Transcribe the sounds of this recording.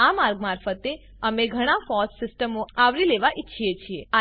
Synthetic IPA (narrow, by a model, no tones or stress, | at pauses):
amaɾɡmaɾfət̪e | əmeɡʱəɽ̃afɔssɪsʈəmõaʋɾileʋaʔɪtːʃʰiet͡ʃʰiea